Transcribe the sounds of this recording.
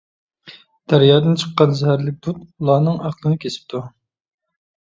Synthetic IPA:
d̪̥æɾjɑːd̪ɨnt͡ʃʰəqːɑnzæhæɾlɪk̚ʲb̥ut̪ulˠɑːnɨŋɑqlˠɨnɨkʲʰesɪ̥p̚t̪ʰu

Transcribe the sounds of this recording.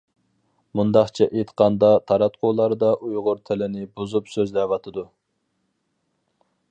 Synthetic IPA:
mund̪ɑχt͡ʃʰɛʔet̪ʰə̥qʰɑnd̪ɑt̪ʰɑɾɑt̪qʰolˠɑɾd̪ɑʔujʁʊɾt̪ʰɛlɪnɪbuzupsøzlɛwɑt̪ʰɨd̪u

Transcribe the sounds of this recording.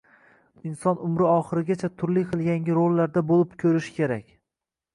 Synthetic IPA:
ɪnsɒnʊmɾɪɒχɨɾɪɡʲat͡ʃʰat̪ʰʊɾlɪjqʰɨlˠɡʲaŋɡʲɪɾolːaɾd̪abolˠɪpkʲʰɵɾɪʃɪ̥kʲʰe̞ɾakʲ

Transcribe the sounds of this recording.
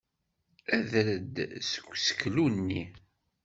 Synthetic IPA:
æðɾəd̪sə̥ɡʷsə̥kːlunːi

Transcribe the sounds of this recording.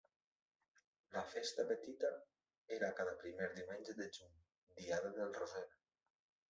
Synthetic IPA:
lafest̪apet̪it̪a | eɾakaðapɾimeɾd̪iwmenʲd͡ʒeðeʒuɲ | d̪iaðaðelˠrozɛɾ

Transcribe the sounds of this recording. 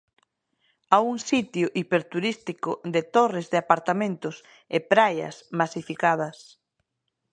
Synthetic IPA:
auŋsit̪jʊʔipeɾt̪uɾist̪ikʊd̪ɪt̪orɪzðɪapaɾt̪amẽnt̪ʊs | ɪpɾajɐ̰smasifikað̞ɐs

